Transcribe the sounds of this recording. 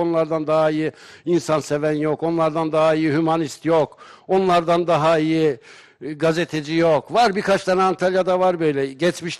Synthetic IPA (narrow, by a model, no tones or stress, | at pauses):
onlˠaɾd̪and̪aɦaiji | insanse̞vænjo̞ko̞nlˠaɾd̪and̪aɦaijiɦymanist̪joko̞nlˠaɾd̪and̪aɦaiji | ɡazet̪ʰed͡ʒijo̞kvaɾbiɾkʰat͡ʃt̪anant̪ʰalʲjad̪avaɾbø̞jlʲɛɟɛt͡ʃmiʃ